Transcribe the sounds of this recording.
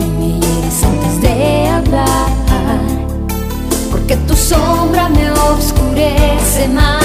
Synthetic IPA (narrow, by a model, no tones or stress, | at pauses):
mijeɾesɐ̃nt̪ɪzd̪eabaa | poɾket̪usombɾɐmeobskuɾɛsema